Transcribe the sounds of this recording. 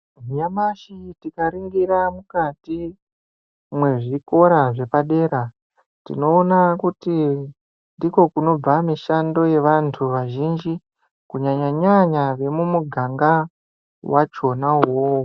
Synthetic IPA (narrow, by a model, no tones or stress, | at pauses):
ijamaʃitikaɾiŋɡiɾamukati | mwe̞ʐiko̞ɾaʐe̞paɗe̞ːɾa | ntḭno̞ːnakuti | nndiko̞kuno̞b͡vamiʃando̞je̞ʋantʰuʋaʒind͡ʒi | kuɲaɲaɲaɲaʋe̞mumuɡʱaŋɡa | wat͡ʃo̞naɦo